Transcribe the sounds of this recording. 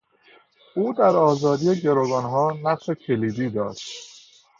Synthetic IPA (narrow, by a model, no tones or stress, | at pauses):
uːd̪æɾɒːzɒːd̪ijeɟe̞ɾoɡɒːnɦɒːnæslecʰe̞liːd̪iːd̪ɒːʃt̪